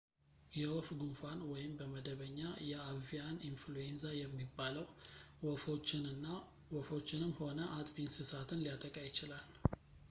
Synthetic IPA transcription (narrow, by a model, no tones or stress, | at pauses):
jɛwɔfɡunfanwɔjɪmbəməd̪əβəɲːajɛavijaninfluenzajɛmːibːaləwwɔfot͡ʃːɪnɨnːa | wɔfo̞t͡ʃːɪnɨmho̞nəʔat̪ʼbinsɨsat̪ʰɨnlijat̪ʼəkʼajɪt͡ʃɪlal